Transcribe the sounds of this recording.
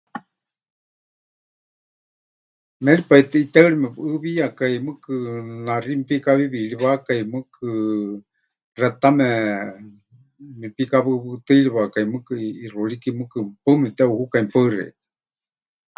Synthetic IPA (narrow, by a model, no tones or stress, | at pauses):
mɛlipait̪ɛit̪ɛɨɺimɛβɨβiakaimɨkɨnarimipikaβiβiliβakaimɨkʰɨ | rɛt̪amɛ | mipikaβɨβɨt̪ɨliβakaimɨkɨirulikimɨkɨpɨmɛt̪ɛuhukaimpərɛ̰̥